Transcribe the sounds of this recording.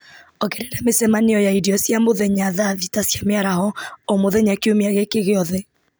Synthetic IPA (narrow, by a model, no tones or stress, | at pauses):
ɔɣɛɾɛɾamesɛmaneɔjaidiɔsjamoðɛɲaðaðitasjameaɾahɔomoðɛɲakeomeaɣɛkeɣeɔðɛ